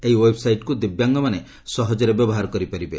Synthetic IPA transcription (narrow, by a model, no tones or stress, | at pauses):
eɦiwebsajʈkud̪ibjaŋɡɔmane | sɔɦɔd͡ʒɔɾebjɔbɔɦaɾɔkɔɾipaɾibe